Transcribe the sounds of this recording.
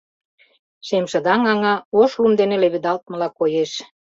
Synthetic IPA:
ʃemʃə̆d̪ɑŋɑŋɑoʃlumd̪enĕleβid̪ɑlt̪̚mə̆lɑkojeʃ

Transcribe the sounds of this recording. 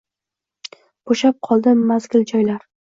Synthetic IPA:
b̥oʃap̚qʰɒlˠd̪ɪmazɡʲɪld͡ʒɒjlaɾ

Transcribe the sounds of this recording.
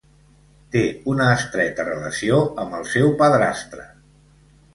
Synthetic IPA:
t̪eunəːst̪ɾɛt̪ərələsioəmbəlˠsɛwpəðɾast̪ɾə̰

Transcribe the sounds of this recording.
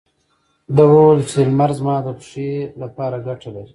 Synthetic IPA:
d̪awolət͡selmaɾzmɑːd̪əpʂelapɑːɾaɡaʈalaɾi

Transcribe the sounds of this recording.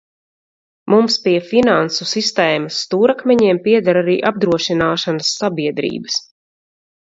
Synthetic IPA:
mumspiɛfinansusist̪ɛːmasːt̪uːɾakmʲɛɲiɛmpiɛd̪aɾaɾiːʔab̚d̪ɾuɔʃinaːʃanasːabiɛd̪ɾḭːbəs

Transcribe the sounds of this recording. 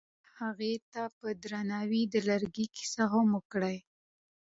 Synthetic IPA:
haɣet̪apəd̪ɾanɑwid̪əlaɾɡiki̥saɦaməkɽaj

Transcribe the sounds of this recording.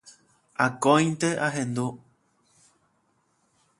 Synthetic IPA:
akõj̃nt̪eʔaɦẽ̞nd̪u

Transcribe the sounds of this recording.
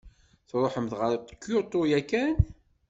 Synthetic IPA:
θɾˤoħəmðʁəɾˤt̪ˤːə̥kːjot̪ˤojækːæn

